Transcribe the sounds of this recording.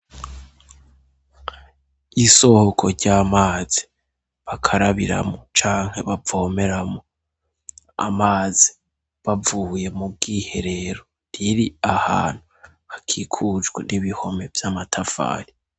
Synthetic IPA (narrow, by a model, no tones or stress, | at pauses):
iso̞hokʰo̞ɾɟaːmaːz̥i | βakʰaɾaβiɾa̰mot͡ʃaːŋ̥he̞βavo̞ːme̞ɾamo | a̰maːzi | βavuːje̞mub̚ɡihe̞̰ɾe̞ɾo | ɾiɾiaha̰ːn̥hu | hakʰikʰud͡ʒɡwḛnʔiβiho̞me̞v̥jamatʰafa̰ːɾi